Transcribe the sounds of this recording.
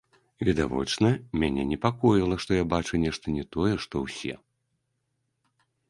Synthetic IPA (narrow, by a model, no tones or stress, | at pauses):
vʲɛd̪a̰vɔ̰t͡ʂnɐmʲanʲɛnʲɛpakɔjilˠɐʂt̪ɔjabat͡ʂunʲɛʂt̪ɐnʲɛt̪ɔjɛʂt̪ɔwsʲɛ̰